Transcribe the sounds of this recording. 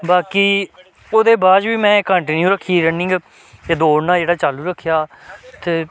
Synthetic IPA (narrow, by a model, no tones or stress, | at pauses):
baːkiː | oːd̪eːbaːd͡ʒʋiːmɛ̃ːkəɳʈɪnjuːɾəkʰːiːɾənɪ̃ŋɡ | t̪eːd̪oːɽnãːd͡ʒeːɽaːt͡ʃaːluːɾəkʰːjaː | t̪eː